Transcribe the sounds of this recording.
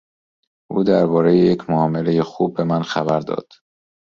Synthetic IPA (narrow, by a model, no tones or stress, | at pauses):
ʔuːd̪æɾbɒːɾejejecʰmoɒːme̞lejexuːbːe̞mænxæbæɾd̪ɒ̰ːd̪̥